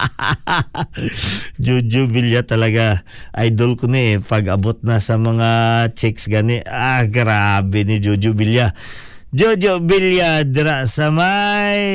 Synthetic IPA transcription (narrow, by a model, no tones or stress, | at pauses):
d͡ʒud͡ʒʊbiljat̪ɐlɐɡa | ʔajd̪olkʊnɪɛpɐɡɐbot̪̚nɐsɐmɐŋat͡ʃɛksɡanɛʔaɡɾabɛnɪd͡ʒud͡ʒʊbilja | d͡ʒod͡ʒobiljad̪ɪɾaʔsɐmaj